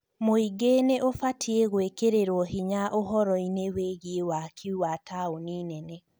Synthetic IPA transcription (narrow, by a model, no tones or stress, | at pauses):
moiɡeneʔofatʰieɣwekeɾeɾwɔhiɲaʔoɦɔɾɔineweɣiewakʰiuwataoniːnɛnɛ